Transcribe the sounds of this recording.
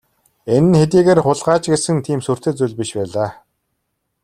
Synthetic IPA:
enɘ̆nxet̪̬iːɣeːrχʊɮʁaːt͡ɕɡesɘ̆ŋt̪ʰiːmsur̥t̪ĕːt͡sujɮpiʃpæːɮaː

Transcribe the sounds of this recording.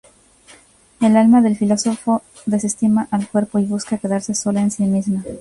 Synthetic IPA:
e̞lalmaðe̞lfilo̞so̞fo̞ | ðe̞sest̪imaʔalkwe̞ɾpo̞iβuskake̞ðaɾse̞so̞laensimizma

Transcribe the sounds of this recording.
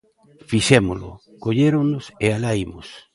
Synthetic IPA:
fisɛmʊlʊ̰ | koʎeɾoŋnʊsealaimʊs

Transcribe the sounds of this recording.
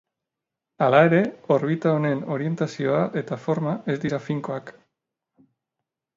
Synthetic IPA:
alae̞ɾe̞o̞ɾβ̞it̪ao̞ne̞no̞ɾie̞nt̪asio̞aʔe̞t̪afo̞ɾmae̞zd̪iɾafiŋko̞ak

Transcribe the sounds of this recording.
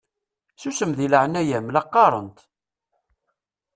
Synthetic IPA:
susəmðiləʕənæjæmlɑqːɑɾˤə̰nt̪

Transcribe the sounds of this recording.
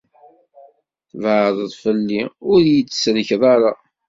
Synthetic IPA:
θvʕðˤəðˤfəlːiʊɾjit͡sːsɾəçðˤɑɾˤa

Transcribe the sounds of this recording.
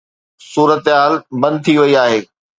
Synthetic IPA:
suːɾət̪ɦaːlbɐ̃nd̪̚t̪ʰiʋɐiaːɦeː

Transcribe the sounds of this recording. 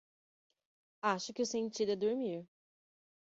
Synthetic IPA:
aʃʊkʲɪʊsẽnt͡ʃid̪ɛd̪uɾmiɾ

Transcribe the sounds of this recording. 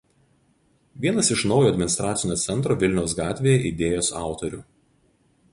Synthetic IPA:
ʋʲiɛnɐsɪʃnɒʊjoːɐd̪ʲmʲɪnɪst̪ɾɑːt̪sʲɪnʲoːt̪sʲɛnt̪ɾoːʋʲɪlʲnʲɛʊsɡɑːt̪ʲʋʲeːjɛʔɪd̪ʲeːjoːsɑˑʊt̪ɔɾʲu

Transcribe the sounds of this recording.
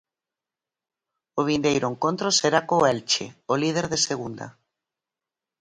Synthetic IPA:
oβ̞ind̪ejɾoeŋkont̪ɾoseɾakoɛlt͡ʃḛolið̞eɾðeseɣ̞und̪a̰

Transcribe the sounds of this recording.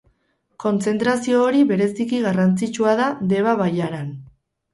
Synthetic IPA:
ko̞nt͡se̞nt̪ɾasio̞ːɾiβe̞ɾe̞sikiɣarant͡sit͡ʃuaðad̪e̞βaβajaɾan

